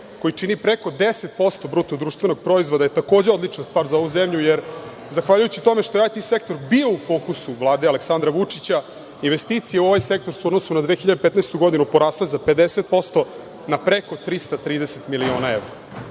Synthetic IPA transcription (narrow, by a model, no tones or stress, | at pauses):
ko̞jit͡ʂinipɾeko̞d̪eset̪̚po̞st̪o̞bɾut̪od̪ɾuːʃt̪ve̞no̞ɡ̚pɾo̞izvʋo̞d̪ajet̪ako̞ːd͡ʑeo̞d̪lit͡ʂnast̪ʋaːɾzao̞ʋuzemʎujeɾ | zaxʋaʎujut͡ɕit̪o̞me̞ʃt̪o̞jeajt̪ise̞kt̪o̞ɾbio̞ufo̞ːkusuʋlˠaːd̪ealeksand̪ɾaʋut͡ʂit͡ɕa | inʋest̪iːt̪sijeuo̞ʋajse̞k̚t̪o̞ɾsuod̪nosunad̪ʋe̞ːxiʎad̪epet̪nest̪uɡo̞d̪inupoɾaːslezape̞d̪eset̪̚po̞st̪o̞ | napɾeko̞t̪ɾist̪at̪ɾiːd̪eset̪milio̞ːnaeʋɾa